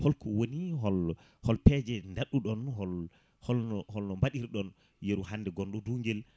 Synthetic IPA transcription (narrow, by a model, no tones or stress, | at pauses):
hɔlkɔwoniɦɔl | hɔlpɛːd͡ʒɛndaɗːuɗɔnhɔl | hɔlhɔlnɔmbaɗiɾɗɔn | jeɾuhandɛɡɔnɗɔduːŋɡɛl